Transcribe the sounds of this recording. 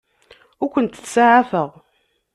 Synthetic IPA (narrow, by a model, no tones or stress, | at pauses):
ʊɾkʷənt̪θsaʕafəʁ